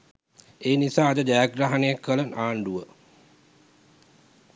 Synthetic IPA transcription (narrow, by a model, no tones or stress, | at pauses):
eːnisaːd̪əd͡ʒajaɡɾaɦanejakːʋələnaːɳɖuʋə